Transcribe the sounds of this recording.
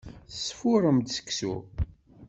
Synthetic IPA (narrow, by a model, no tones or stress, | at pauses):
θsːfʊɾˤəmd̪sə̥kːsṵ